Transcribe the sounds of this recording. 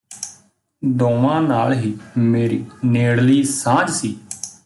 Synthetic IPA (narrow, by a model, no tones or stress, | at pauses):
d̪õːʋãːnaːlɦiːmeːɾiːneːɽliːsãːd͡ʒsiː